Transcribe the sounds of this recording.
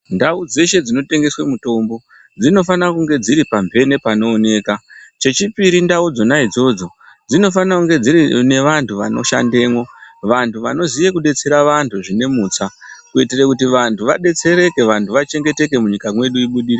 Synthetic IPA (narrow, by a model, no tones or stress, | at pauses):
ndaud͡ze̞ʃe̞d͡zino̞te̞ŋɡe̞swemuto̞mbo̞ | d͡zino̞fanakuŋɡe̞d͡ziɾipambʱe̞nepano̞ːne̞ːkat͡ʃe̞t͡ʃipiɾindaud͡zo̞naid͡zo̞d͡zo̞ | d͡zino̞fanakuŋɡe̞d͡ziɾine̞ʋantuʋa̰noʃa̰nde̞ːmwo̞ʋantʰuʋano̞zijekuɗe̞t͡se̞ɾaʋantʰuʐine̞muːt͡sakuitirekutiʋantʰuʋa̰ɗe̞t͡se̞ɾe̞ke̞ʋantuʋat͡ʃe̞ŋɡe̞te̞k̬e̞muɲikamwe̞ɗuiɓuɗiɾe